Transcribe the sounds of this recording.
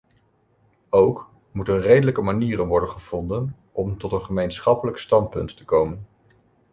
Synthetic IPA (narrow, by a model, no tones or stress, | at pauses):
owk | mutənrejdələkəmaniːrənʋɔɹdənχəv̥ɔndən | ʔɔmtɔtənχəmejnsχɑpələkstɑnt̚pɵ̰ntːəkowmən